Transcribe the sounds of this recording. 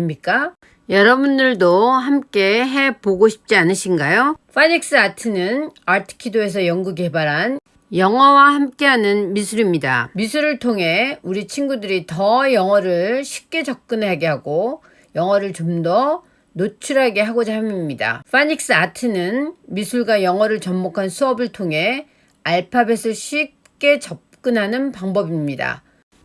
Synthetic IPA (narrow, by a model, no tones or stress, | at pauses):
imik͈a | jʌɾʌbundɯɭdoɦamk͈e̞ɦe̞poɡoɕʰi̥p̚t͡ɕ͈ianɯɕʰinɡajoɸʰaɲik̚s͈ɯatʰɯnɯnaɭtʰɯ̥kʰidoe̞s̬ʰʌjʌŋɡuɡebaɾɦan | jʌŋwawahamk͈e̞ɦanɯnmisʰuɾimɲida̰misʰuɾɯɭtʰoŋɦe̞uɾit͡ɕʰinɡudɯɾitʌjʌŋwʌɾɯɭɕʰi̥p̚k͈e̞t͡ɕʌp̚k͈ɯnaɡeɦaɡo | jʌŋwʌɾɯɭt͡ɕomdʌ | not͡ɕʰuɾɦaɡeɦaɡod͡ʑamimɲida̰ɸʰaɲik̚s͈ɯatʰɯnɯnmisʰuɭɡwajʌŋwʌɾɯɭt͡ɕʌmːokʰansʰuʌbɯɭtʰoŋɦe̞ | aɭpʰabesʰɯɭɕʰɥip̚k͈e̞t͡ɕʌp̚k͈ɯnɦanɯnpaŋbʌbimɲida̰